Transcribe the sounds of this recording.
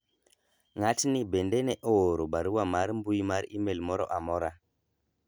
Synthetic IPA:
ŋatnibendeneʔoɾoɓaɾuwamaɾmbujmaɾimelmoɾo̰ʔamoɾa

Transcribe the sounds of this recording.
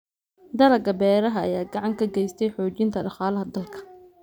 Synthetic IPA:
d̪ɐlɐɡɐbɛːɾɐɦɐɐjaːɡɑʕɑŋkʰɐɡɛjst̪ʰɛjħɔːt͡ʃɪnt̪ʰɐɖɑχaːlɐɦɐd̪ɐlkʰɐ̥

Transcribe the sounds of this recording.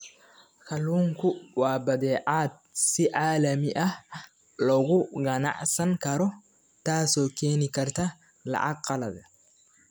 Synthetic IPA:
kɐluːŋkʊwaːbɐd̪eːʔaːt̪̚sɪʔaːlɐmɪʔɐ | lɔɡʊɡɐna̰ʔsɐŋkɐɾɔ | t̪aːsɔkeːnɪkɐɾt̪ɐ | lɐ̰ʔakqɐlɐd̪ɐ

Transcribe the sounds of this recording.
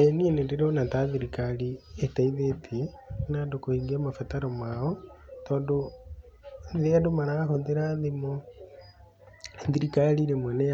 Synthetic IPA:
enienendeɾonataðiɾikalietaiðetʰi | nandokohiŋɡiamafataɾɔmaɔtɔːndo | ðeadomaɾaɣakonðeɾaðemo | ðiɾikaliɾemwɛnɛ

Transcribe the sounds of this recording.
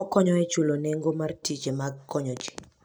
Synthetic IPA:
ɔkɔɲɔɛt͡ʃoloneŋɡomartit͡ʃemaɡkːɔɲɔd͡ʒi̥

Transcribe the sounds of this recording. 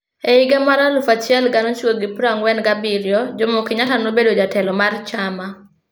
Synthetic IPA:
eɪɡɛmaɾalʊfat͡ʃɪɛlɡanot͡ʃwoɡɪpɾaŋwɛnɡabiɾjɔd͡ʒomokɪɲatanobedod͡ʒatɛlɔmart͡ʃama

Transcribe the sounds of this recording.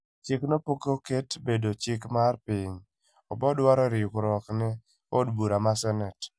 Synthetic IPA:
t͡ʃɪknopokoketbedot͡ʃɪkmarpɪɲ | ɔbɔdwaɾɔɾɪkɾɔknɪ | odbuɾamasɛnɛt

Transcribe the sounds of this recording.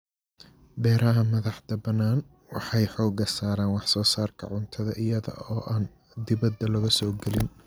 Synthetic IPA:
bɛːɾɐɦɐmɐðɑħt̪ɐbɐnːaːn | wɑħɑjħɔːɡɐsaːɾaːnwɑħsɔːsaːrkʰɐ̰ʕʊnt̪ʰɐðɐʔɪjɐðɐ̰ɔːʔaːn | d̪ɪβɐd̪ːɐlɐɣɐsɔːɡɛlɪn

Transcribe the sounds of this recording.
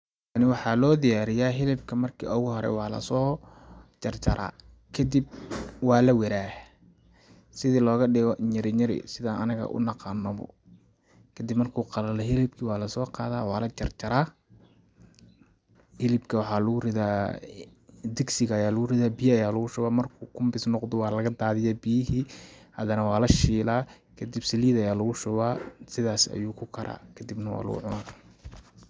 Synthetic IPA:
nɪwɑħɑːlɔːd̪ɪjaːɾɪjaːɦɪlɪbkʰɐmɐrkʰḭːʔɔɣʊɦɔɾɛ̰jwɑːlɐ̰sɔː | t͡ʃɐrt͡ʃɐɾʔa̰ː | kʰɐd̪ib̚wɑːlɐwɛɾaː | sɪðiːlɔːɣɐɖɪɣɔʔɲɪɾɪɲɐɾɪ̰sɪðaːnɐnɐɣɐ̰ʔʊ̰nɑqɑːnːɐβɔ̰ | kʰɐd̪ibmɐrkʰuːqɑlɐlɛɦɪlɪb̚kʰiwɑːlɐsɔːqɑːðaːwɑːlɐt͡ʃɐrt͡ʃɐɾaː | hɪlɪbkʰɐwɑħɑːlʊɣʊrɪðaː | d̪ɪɡsɪɣɐːjaːlʊɣʊrɪðaːbɪjɐːjaːlʊɣʊʃʊwaːmɐrkʰuːkʰʊmbɪsnɔqd̪ɔwɑːlɐɣɐd̪aːðɪjaːbɪjɪɦiːhɐðɐnɐwɑːlɐʃiːlaː | kʰɐd̪ibsɐliːðɐjaːlɐɣʊʃʊwaːsɪðaːsɐ̰juːkʰʊkʰɐɾʔa̰ːkʰɐd̪ɪbnɐwɑ̰ːlʊ̰ɣʊ̰ʕʊ̰naːr

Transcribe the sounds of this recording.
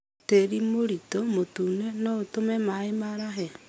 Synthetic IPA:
teɾimoɾitomotunenɔotomɛmaemaɾaɦɛ

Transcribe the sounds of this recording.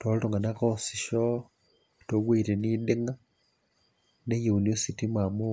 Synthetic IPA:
totoŋɡanakosiʃo | tokweiɾenideŋa | nejuuniositimamu

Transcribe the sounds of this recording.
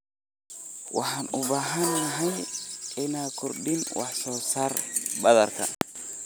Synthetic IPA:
wɑ̰ħɑːnʊbaːɦɐnːɐɦɛjɪnaːkʰʊrɖɪnwɑ̰ħsɔːsaːrbɐðɐrkʰɐ̰

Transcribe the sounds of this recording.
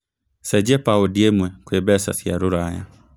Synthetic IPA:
sɛd͡ʒɛpaodiemwɛkwebɛsa̰θjaɾoɾaja̰

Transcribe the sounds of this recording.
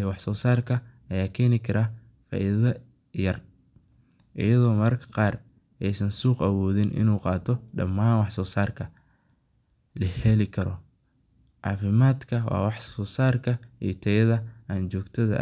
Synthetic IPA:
ɛwɑħsɔːsaːrkʰɐ | ɐjaːkʰɛːnɪkʰɐɾaː | fa̰ːʔḭðɐ | jɐr | ʔɪ̰jɐðɔːmɐrkʰɐ̥qɑːr | ʔɛjsɐnsuːqɐwɔːðɪnʔɪ̰nuːqɑːt̪ʰɔɖɐ̰mːaːnwɑħsɔːsaːrkʰɐ | lɐhɛlɪkʰɐɾɔ | ʕɑ̰ːfɪmaːd̪kʰɐwɑ̰ːwɑħɔːsaːrkʰɐḭjt̪ʰɐjɐðɐʔaːnt͡ʃɔːɡt̪ʰɐðɐ̰

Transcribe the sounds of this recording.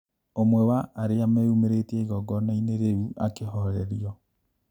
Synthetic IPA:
omwɛwaːɾeameumeɾetieɣɔɡɔnaineɾeuʔakeɦɔɾɛɾiɔ

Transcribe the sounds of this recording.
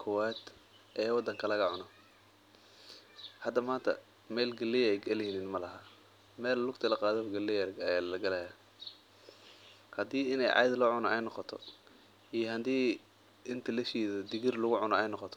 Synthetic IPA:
kʰʊwɛːd̪ | ʔɛːwɑd̪ɐŋkʰɐlɐɣɐʕʊnɔ | hɐd̪ːɐmaːnt̪ʰɐ̰ | mɛːlɡɐlɛjɛjɡɐlɛhiniːnmɐlɐɦɐ | mɛːllʊɡt̪ʰɐlɐqɑːðɔɡɐlɛjlɐɡɐlɐja | hɐd̪iːɪnɛ̰jʕɑ̰jðlɔːʕʊnɔʔɛjnɔqɔt̪ʰɔ̰ | ijɔhɐnd̪iː | ɪnt̪ʰɐlɐʃiːðɐd̪ɪɣɪrlʊɣʊʕʊnɔɛjnɔqɔt̪ʰɔ̥

